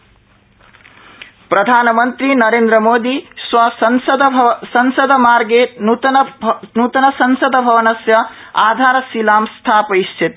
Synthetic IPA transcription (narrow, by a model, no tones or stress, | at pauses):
pɾɐd̪ʱaːnmənt̪ɾinɐɾeːnd̪ɾəmoːd̪iswɐsɐnsəd̪sɐnsəd̪ʱmaɾɡenut̪nnut̪ɐnɐsɐnsəd̪ʱbʱɐʋɐnɐsjɐ | aːd̪ʱaːɾsilaːmst̪ʰapɐist͡ʃʰit̪